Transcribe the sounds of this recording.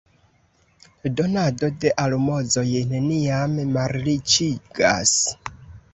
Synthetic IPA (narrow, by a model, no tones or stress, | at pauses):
donadodeʔalumozojeneniamemaɾlit͡ʃiɡa̰s